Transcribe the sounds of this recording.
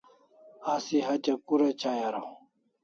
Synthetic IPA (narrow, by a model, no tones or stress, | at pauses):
asiɦɐt͡ɕɐkuɾet͡ɕʰajaɾo